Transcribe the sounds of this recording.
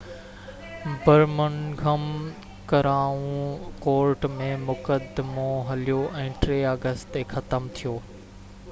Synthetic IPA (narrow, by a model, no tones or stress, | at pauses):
bɐɾmənɡʱəm | kɐɾaːũkoːɾʈmẽmʊkəd̪moɦɐlijoʔɛ̃ːʈɾeːaːɡəst̪eːxɐt̪əmt̪ʰijoː